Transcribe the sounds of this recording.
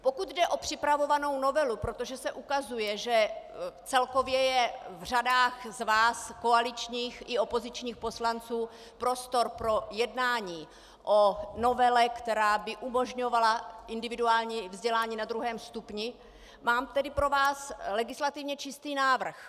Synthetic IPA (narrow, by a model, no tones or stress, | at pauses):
po̞kud̪dɛʔo̞pr̝̥ɪpɾavo̞vano̞wno̞vɛlupɾot̪oʒɛsɛʔukazujɛʒɛt͡sɛlko̞vjɛjɛvr̝adaːxzvaːsko̞alɪt͡ʃɲiːxʔɪo̞po̞zɪt͡ʃɲiːxpo̞slant͡suː | pɾo̞st̪o̞ɾpɾo̞jɛdnaːɲiː | ʔono̞vɛlɛkt̪ɛɾaːbɪʔumo̞ʒɲo̞valaʔɪndɪvɪduaːlɲiːvzɟɛlaːɲiːnad̪ɾuɦɛːmst̪upɲɪ | maːmt̪ɛdɪpɾo̞vaːslɛɡɪslat̪ɪvɲɛt͡ʃɪst̪iːnaːvr̩x